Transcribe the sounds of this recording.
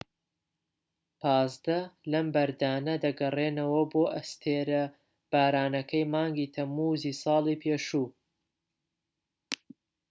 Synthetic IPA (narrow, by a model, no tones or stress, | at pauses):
pʰɑːzd̪ɐlɐmbɐɾd̪aːnɐd̪ɐɡɐreːnɐwɐboːʔɐst̪ʰeːɾɐ | b̥aːɾaːnɐkʰɐjmɑːŋɡiːt̪ʰɐmːuːziːsɑːlˠiːpʰeːʃuː